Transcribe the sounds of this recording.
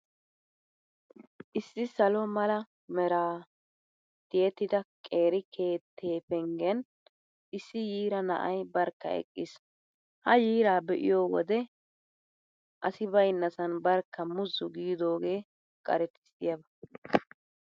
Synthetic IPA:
ʔɪsːɪsɐlɔmɐlɐ | mɛɾaː | t̪ɪjɛt̪ːɪd̪ɐkʼe̞ːɾɪkʰe̞ːt̪ʰːeːpɛŋɡɛn | ɪsːɪjiːɾɐnɐ̰ʔɐjbɐɾkːɐ̰ɛ̰kʼːɪs | hɐjiːɾaːbɛʔɪ̰joːwɔ̰d̪ɛ | ʔɐsɪbɐjnːɐsɐnbɐɾkːɐmʊzːʊɡiːd̪o̞ːɡeː | kʼɐ̰ɾɛt̪ɪ̥sɪjɐbɐ

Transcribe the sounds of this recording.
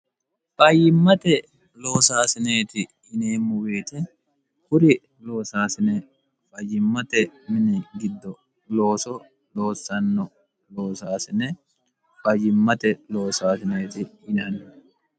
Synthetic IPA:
pʼɐjɪmːɐt̪ɛ | lo̞ːsaːsɪneːt̪ɪ | ɪneːmːʊweːt̪ɛ | hʊɾɪ | lo̞ːsaːsɪnɛ | fɐjɪmːɐt̪ɛmɪnɪɡɪd̪ːɔ | loːsɔ | lo̞ːsɐnːɔ | lo̞ːsaːsɪnɛ | fɐjɪmːɐt̪ɛlo̞ːsaːsɪneːt̪ɪɪnɐn

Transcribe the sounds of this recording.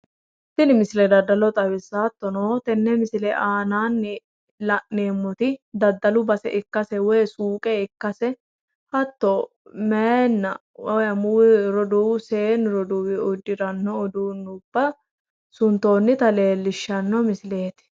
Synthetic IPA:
d̪̥ɪlɪmɪsɪlɛd̪ɐd̪ːɐlɔt̪ʼɐwɪsːaːt̪ːɔnoːt̪ɛnːɛmɪsɪlɛʔaːnaːnːɪ | lɐʔneːmːɔt̪ɪd̪ɐd̪ːɐlʊbɐsɛ̰ʔɪkːɐsɛwɔjsuːkʼɛɪkːɐsɛ | hɐt̪ːo | meːnːɐ | wɔjɐmʊwɪɾɔd̪uwseːnɾɔd̪uwɪʊd̪ːɪɾɐnːɔːd̪uːnːʊb̥ːɐ | sʊnt̪o̞ːnːɪt̪ɐle̞ːlːɪʃːɐnːɔmɪsɪle̞ːt̪ɪ̥

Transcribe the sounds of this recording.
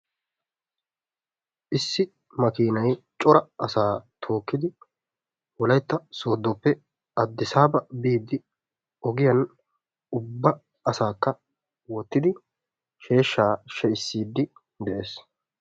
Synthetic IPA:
ʔɪsːɪ | mɐkiːnɐj | t͡ʃʼɔɾɐɐsaːt̪ʰo̞ːkːɪd̪ɪ | wɔlɐjt̪ːɐsoːd̪ːɔpːɛ | ɐd̪ːɪsaːbɐbiːd̪ːɪ | ɔɡɪjɐn | ʊbːɐ | ɐsaːkːɐ | wɔt̪ːɪd̪ɪ | ʃe̞ːʃːaːʃɛɪsːiːd̪ːɪ | d̪ɛʔe̞ːs

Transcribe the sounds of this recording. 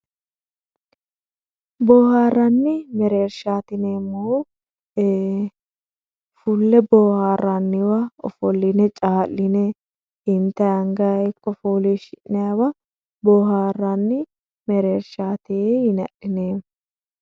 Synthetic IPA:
bɔːhaːrːɐnːɪmɛɾe̞ːɾʃaːt̪ɪneːmːoː | fʊlːɛbɔːhaːranːɪwɐɔ̰fɔlːɪnɛt͡ʃʼaːlːɪnɛ | ɪnt̪ːɐjɐŋɡɐkːɔfoːleːʃɪʔnɛjawɐ | bɔːhaːrːɐnːɪ | mɛɾeːɾʃaːt̪ehɪnɐʔɪneː

